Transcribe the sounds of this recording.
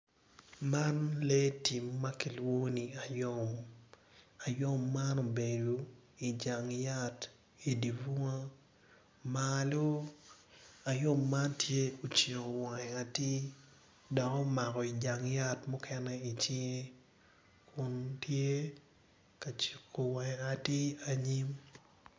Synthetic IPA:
ma˦nle˦ti˨mːa˦ki˨lwo˦ni˨a˨jo˦˨m | a˨jo˦mːa˦no˨be˨do˨i˨d͡ʒa˨ŋja˦t | i˨di˨vu˦ŋa˦ | malo˦ | a˨jo˦mːa˦ntje˦o˨t͡ʃe˨ko˨wa˨ɛ˨a˨ti˦ | dɔ˨kɔ˦ma˨kɔ˨i˨d͡ʒa˨ŋja˦tmɔ˦kʰɛ˦nɛ˦i˨t͡ʃi˦ŋe˦ | kʰʊ˦ntje˦ | ka˨t͡ʃi˨kːo˨wa˨ŋɛ˨a˨ti˦a˦ɲi˦m

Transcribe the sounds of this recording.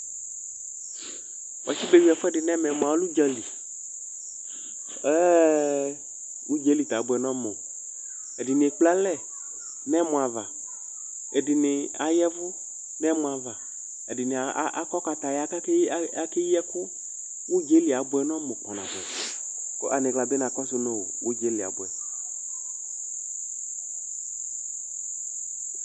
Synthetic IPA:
wɔ̰˨t͡ʃi˦be˦wi˦ɛ˨fɔ˦ɛ˦ɖɪ˨nɛ̃˦mɛ̃˨m̃˨a˨wo˦lu˦d͡ʒɔ˦li˨ | ɛ˦ | ŋũ˦d͡ʒe˨˦li˨t̪a˨˦bʊ˨ɛ˨nɔ̃˦mo˨ | e˨dɪ˨nɪ˨k͡pla˦lɛ˦˨ | nɛ̃˦mũ˨a˨va̰˨ | e˨dɪ˨nɪ˨a˨jɛ˦vʊ˦ | nɛ˦mʊ̃˨a˨va˨ | e˨dɪ˨nɪ˨˦ʔa̰˦kɔ˦ka˨t̪a˨ja˦a˦a˦kɪ˦jɛ˦kʊ˦ | wu˦d͡ʒe˦li˨a˨˦bʊ˦ɛ˨nɔ̃˦mo˨k͡pɔ˨nã̰˨bɛ˨ | ko̰˦ʔa˨nɪ̃˨ɡla˨be˦nã˨kɔ˦sʊ˦no˦wo˨wʔo˦d͡ʒe˦li˨a̰˨bʊ˨ɛ˨

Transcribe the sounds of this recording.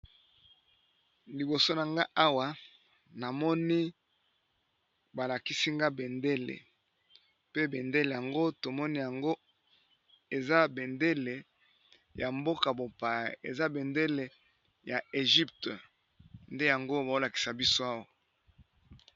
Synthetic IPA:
li˨bo˨so˦na˨ŋɡa˦ʔa˦wa˨ | na˨mɔ˦ni˦ | ba˨la˨ki˦si˦ŋɡa˦be˨nde˦lḛ˨ | pe˦be˨nde˦le˨ja˨ŋɡo˦to˨mɔ˦ni˦ja˨ŋɡo˦ | e˨za˦be˨nde˦le˨ | ja˨mbo˦ka˨bo˨pa˨j̰ḛ˨za˦be˨nde˦le˨ | ja˨e˨ʒi˦ptə˨ | nde˦ja˨ŋɡo˦ba˨o˦la˨ki̥˨sa˨bi˦so˦a˦wa˨

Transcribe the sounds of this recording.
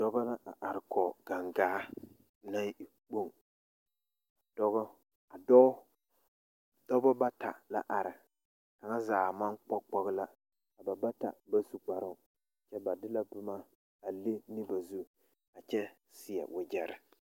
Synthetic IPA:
d̥ɔ˦ba˦la˦ʔa˨ʔa˨ɾɪ˨kʰɔ˨ɡ̥a˨ŋɡaː˦ | na˦i˨ | k͡po˦ŋ | a˨d̥ɔ˦ɣɔ˦ | a˨dɔ˦ | dɔ˦bɔ˦ba˦ta̰˨la̰˨ʔa˨ɾɪ˨ | ka˨ŋa˦zaː˨ma˦ŋk͡pɔ˦k͡pɔ˦ɣla˦ | a˨ba˨ba˦ta̰˨ba˦su˨k͡pa˨ɾʊ˦˨ | t͡ʃɛ˦ba˨dɪ˦la˦bʊ˦ma˦ | a˨le˦nɪ˦ba˨zu˦ | a˨t͡ʃɛ˦ | sɪ˨jɛ̰˨wʊ˨d͡ʒɛ˨ɾɪ˨

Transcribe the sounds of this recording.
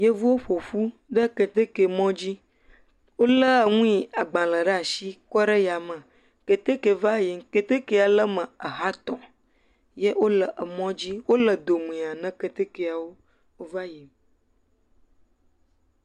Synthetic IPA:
je˦vu˦wo˦ɸo˨fu˦ɖə˦kə˨t̪e˦ke˨mɔ̃˦d͡ʑi˦ | wo˦lə˦˨ŋũ˦i˨a˨ɡ͡bã˨lə˨ɖə˦a˨ʃi˦kɔ˦ɖə˦ja˨mə̃˨ | ke˨t̪e˦ke˨va˦ji˨ke˨t̪e˦ke˦a˨lə˦mə̃˨ə˨ɦa˦t̪ɔ̃˨ | je˦wʔo˦lə˨ʔə˨mɔ̃˦d͡ʑi˦wo˦lə˨d̪o˨mẽ˨a˨nə̃˦kə˨t̪e˦ke˨a˨wo˦ | wo˦va˦ji˨m

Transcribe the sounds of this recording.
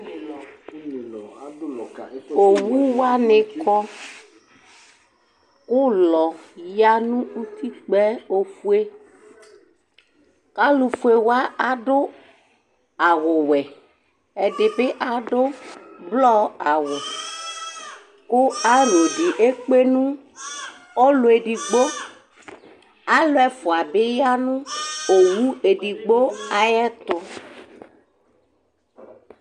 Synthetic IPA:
o˨wu˦wa˦nẽ˨kɔ˦ | wo˦lɔ˨ja˦nũ˦u˦t̪i˦k͡pɛ˦o˦fu˦e˦ | ka˦lu˨fu˨e˨wa˦a˨ɖo˦ | a˨ɣʊ˨wɛ˨ | e˨ɖe˨be˦ʔa˦ɖo˦blɔ˦a˨wo˨ | ko˦a˦n˨e˨ɖi˨ʔe˦k͡pe˦nũ˦ | ɔ˦lo˨e˨ɖi˨ɡ͡bo˦ | a˦lo˦ɛ˦fo˨a˨be˦ja˦nũ˦o˨wu˦e˨ɖi˨ɡ͡bo˦a˦jɛ˦t̪ʊ˦

